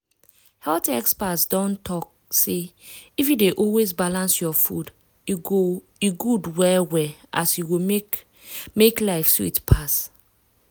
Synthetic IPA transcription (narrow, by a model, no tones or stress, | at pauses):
hɛltɛkspatsdɔ̃ntʰɔk̚ | se | ifjideʔɔlwezbalãnsjɔfṵd | iɡo | iɡudwɛlwɛʔa̰sjuwo | meklaɪfswiitpʰas